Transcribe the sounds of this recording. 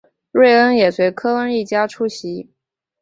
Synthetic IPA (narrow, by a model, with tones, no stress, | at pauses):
ɻwe˥˩ɪə˥njɛ˨˩swe˧˥ɪkʰɤ˥ə˥ni˥˩t͡ɕja˥ʈ͡ʂʰu˥ɕi˧˥